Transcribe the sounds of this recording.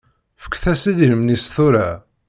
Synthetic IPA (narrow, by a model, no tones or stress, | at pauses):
fə̥kːθæsiðhəmnisθuɾa